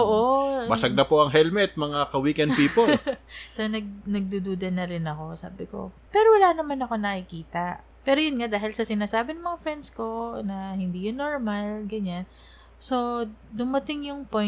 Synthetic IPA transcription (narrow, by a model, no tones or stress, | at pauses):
ʔoːʔobɐsɐɡ̚nɐpoʔɐŋɦɛlmɛt̪̚mɐŋakɐwiːkɛnd̪piːposɐnɐɡ̚nɐɡ̚d̪ud̪uːd̪ɐnɐɾɪnɐko̞sa̰ːbɪko̞̰pɛːɾowɐlaːnɐmanɐko̞nɐkɪkiːt̪ɐ | pɛːɾojʊnŋad̪aːɦɪlsɐsɪnaːsaːbɪnɐŋmɐŋafɹɛnd̪sko̞nɐhɪnd̪iːjʊnoɹmɐlɡɐɲan | so̞d̪ʊmɐt̪ɪŋjʊŋpoj